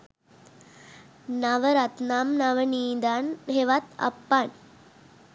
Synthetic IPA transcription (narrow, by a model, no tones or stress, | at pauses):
nɐʋɐɾɐt̪naːmnɐʋɐniːd̪aːnɦeʋat̪ɐ̰pːaːn